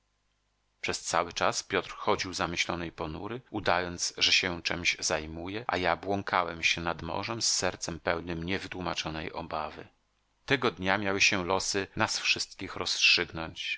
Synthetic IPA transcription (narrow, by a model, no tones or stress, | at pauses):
pʂɛst̪sawɘt͡ʂaspʲjɔt̪ɾxɔd͡ʑiwzamɘɕlɔnɛjpɔnṵɾɘud̪ajɔnt̪zsʐɛɕɛt͡ʂɛmʑzajmujɛʔa̰jabwɔŋkʰawɛmɕɛnad̪mɔ̰ʐɛmsːɛɾt̪sɛmpɛwnɘmɲɛvɘt̪wumat͡ʂɔnɛjɔ̰bavɘ̰ | t̪ɛɡɔd̪ɲamʲjawɘɕɛlɔsɘnasfʂɘst̪kʲixɾɔstʂɘɡnɔɲt͡ɕ